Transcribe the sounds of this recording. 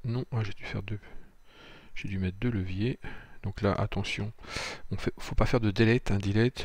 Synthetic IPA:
nɔ̃ãʒed̪yfɛʁd̪ø | ʒ̥ed̪ymɛt̪χd̪øləvjed̪ɔ̃kla̰ʔa̰t̪ɑ̃sjɔ̃ɔ̃fɛfopafɛʁd̪əd̪elɛt̪ɛ̃d̪elɛt̪

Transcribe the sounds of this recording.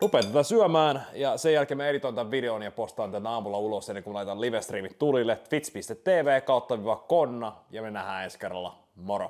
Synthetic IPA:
rupeːnt̪æt̪æsyœmæːnjɑsejælkeːmæeɾit̪oint̪ɑʋʋideonjɑpost̪ɑnt̪ænːæɑːmulɑulosenːeŋkumlɑˑit̪ɑnliʋest̪riːmit̪t̪ulilːefit̪spist̪et̪teːʋeːkɑˑut̪ːɑʋiʋɑkkonːɑjɑmenæhæːenskerːɑ̰lːɑ̰ | moɾo̰

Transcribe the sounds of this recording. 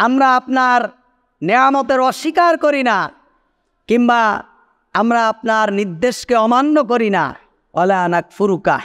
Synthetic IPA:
amɾaapnaɾ | niamot̪eɾɔʃːikaɾkoɾina | kimba | amɾaapnaɾniɾd̪ːeʃkeɔmanːok̬oɾina̰ | wʔalaːnak̚fuɾuka̰

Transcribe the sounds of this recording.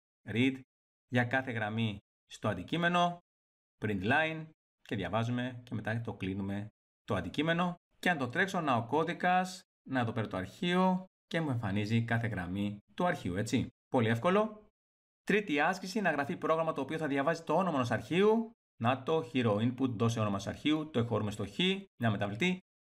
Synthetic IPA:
ɾit̪ | ʝɐkɐθe̞ɣɾɐmi | st̪o̞ɐnd̪icime̞no̞ | pɾind̪lɐin | ce̞ðʝɐ̰vɐzume̞ce̞me̞t̪ɐt̪o̞klinume̞ | t̪oɐ̰nd̪icime̞no̞ | ce̞ɐnt̪ot̪ɾe̞kso̞nɐo̞ko̞ðikɐs | nɐeðo̞pe̞ɾet̪o̞ɐ̰ɾçio̞ | ce̞mue̞ɱfɐnizikɐθe̞ɣɾɐmit̪uɐɾçiue̞t͡sipo̞lie̞fko̞lo̞ | t̪ɾit̪iɐscisinɐɣɾɐfipɾo̞ɣɾɐmɐt̪o̞ːpio̞θɐðʝɐvɐzit̪o̞onomenosɐɾçiu | nɐt̪o̞çiɾo̞input̪ðo̞seonomosɐ̰ɾçiut̪o̞exo̞ɾume̞st̪o̞çiɲɐme̞t̪ɐvlit̪i

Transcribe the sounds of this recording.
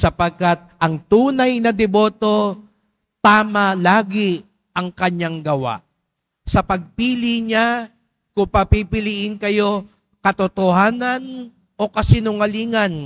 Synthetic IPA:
sɐpɐɡ̚kat̪̚ɐŋt̪uːnɐjnɐd̪ɛbo̞ːt̪o̞ | t̪aːmɐlaːɡɪ | ʔɐŋkɐɲaŋɡɐwa̰ʔ | sɐpɐɡ̚piːlɪɲa | kʊŋpɐpipɪliʔɪnkɐjo̞ | kɐt̪ot̪ohaːnɐn | ʔo̞kɐsɪnʊŋɐliːŋɐn

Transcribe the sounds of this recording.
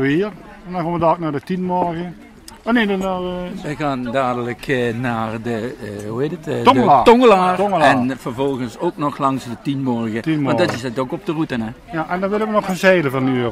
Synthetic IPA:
ʋiər | ɛndɔnkomʋədɔːknaːdətinmɔrɣə | ɔnedənaʋəɣaːndaːdələkʰnaːrdəuheːtətːtoŋəlaːrŋɛnfərvɔlˠɣənsoːknɔxlɑŋsdətinmɔrɣəadɔtɪsɛtokɔp̚dərutənɛjaʔɛndɔnʋɪləʋənɔxənzɛjləvɔnyːə

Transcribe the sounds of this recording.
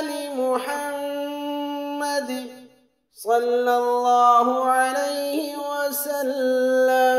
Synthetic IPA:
limʊħamː | ad̪ | sˤɑlːalːɑːhʊʕalajhɪwasalːa

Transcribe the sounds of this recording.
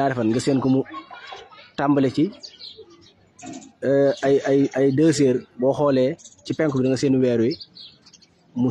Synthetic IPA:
aːɾɛfɐnɡɐseːnkɔmu | tambəlɛci | ajajajdəːs̬eːɾbɔːhɔːlɛːcipɛŋkubidɐŋɡɐseːnuwɛːɾui | mu

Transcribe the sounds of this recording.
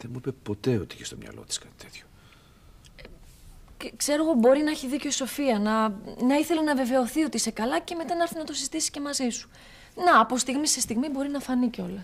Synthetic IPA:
ðemuipepo̞t̪e̞o̞t̪iiçest̪omɲɐ̰lo̞̰t̪i̥skɐt̪i̥t̪ʰe̞t̪ço̥ | e | kse̞ɾo̞ɣo̞bo̞ɾinɐeçiðico̞iso̞fiɐnɐnɐiθe̞lenɐve̞ve̞o̞θio̞t̪iise̞kɐlɐce̞me̞t̪ɐnɐɐɾθinɐt̪o̞sizit̪isi̥ce̞mɐzisu̥ | nɐːpo̞st̪iɣmisest̪iɣmibo̞ɾinɐfɐniceo̞lɐ

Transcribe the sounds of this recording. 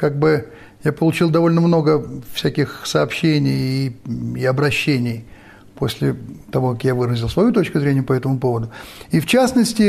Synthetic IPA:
kaɡ̚bɨ | japəlˠʊt͡ɕilˠd̪ɐvo̞lʲnəmno̞ɡəfsʲækʲɪxsɐːpɕːenʲɪjiɐbɾɐɕːenʲɪj | po̞sʲlʲɪt̪ɐvo̞kakjavɨɾəzʲɪlˠsvɐjut̪o̞t͡ɕkʊzɾʲenʲɪjəpɐɛt̪əmʊpo̞vəd̪ʊift͡ɕasnəsʲtʲɪ

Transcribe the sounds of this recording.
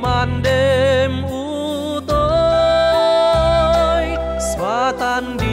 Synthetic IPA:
manɖem | u | t̪o | j | sʋat̪and̪i

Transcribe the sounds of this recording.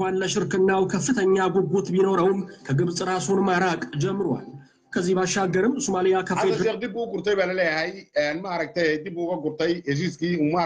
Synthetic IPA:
anləʃɪɾkɨnːawkʰəfːɨt̪ʰəɲːaɡʷɔɡot̪bino̞ɾəwnkʰəɡɨβsʼɨɾasonmaɾakʼd͡ʒɛmːɨɾwa̰l | kʰəzːihbaʃːaɡːəɾɨmsumalijakʰəfezɛd̪ibuɡuɾt̪ʰɐjbɐlɐlɛjhɛjɛnmaɾɐɡ̚t̪ʰɐjɛjd̪ibuɡɐɡʊɾt̪ɐjɛz̬iskiuma

